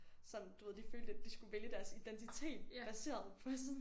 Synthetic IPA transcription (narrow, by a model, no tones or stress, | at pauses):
sɒ̽md̥uʋe̝ð̰̥ˠiføːldəæd̥isɡ̥uʋeljəd̥æɐsid̥ent͡sʰit͡sʰe̝̰ːd̥b̥æse̝̰ːɐðˠpʰɒ